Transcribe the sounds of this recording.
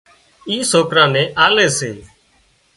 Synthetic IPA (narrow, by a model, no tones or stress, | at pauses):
iːsoːkɾãːnẽːʔaːleːsḛː